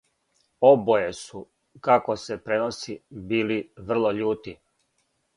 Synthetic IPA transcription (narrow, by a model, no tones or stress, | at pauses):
obojesu | kakosepɾe̞nosibiːliʋr̩lˠoʎuːt̪i